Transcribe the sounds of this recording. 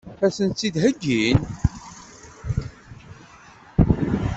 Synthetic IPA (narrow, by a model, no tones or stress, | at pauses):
fæsənt̪t͡sːid̪ɦəɡːin